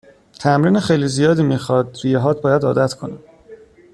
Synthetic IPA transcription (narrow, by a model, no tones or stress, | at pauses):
t̪ʰæmɾiːnexejliːzijɒːd̪iːmiːxɒːd̪ɾijeɦɒːt̪̚bɒːjæd̪ɒ̰ːd̪æt̪ʰkʰo̞ne